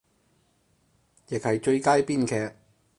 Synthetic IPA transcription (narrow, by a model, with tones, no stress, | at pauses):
jɪ˨k̚hɐ˨jt͡ʃɵ˧ɥkaː˥jpiː˥nkʰɛː˧k̚